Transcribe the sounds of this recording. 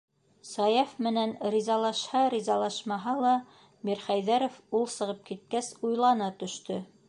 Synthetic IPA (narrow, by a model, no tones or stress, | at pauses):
sɑjɑfmɘ̆nænɾʲizɑlˠɑʃhɑɾizɑlˠɑʃmɑɦɑlˠɑ | miɾχæjðæɾofulˠsɤ̆ʁɤp̚kit̪̚kæsujlˠɑnɑt̪ɵ̆ʃt̪ɵ